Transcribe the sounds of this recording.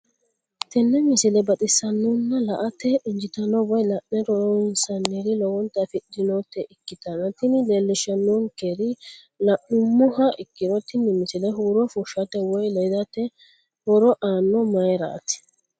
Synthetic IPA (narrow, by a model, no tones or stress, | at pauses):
t̪ɛnːɛmɪsɪlɛbɐt̪ʼɪsɐnːɔnːɐlɐʔɐt̪ːɛʔɪnd͡ʒɪt̪ɐnːɔwɔjlɐʔnɛɾɔɾɔɪnsɐnːiɾɪlɔwɔnt̪ːɐfɪɗɪnot̪ːɛʔɪkːɪt̪ɐnɐt̪ɪnɪlelːɪʃɐnːonkeɾɪ | lɐʔʊmːʊhɐʔɪkːɪnɔt̪ːɪnːɪmɪsɪlɛɦuːɾɔfʊʃɐt̪ːɛwɔjlɛjd̪ɐt̪ːɛ | ɾɔɾɔʔaːnːɔmɐjɾɐ̰ʔɐ̰t̪ɪ̥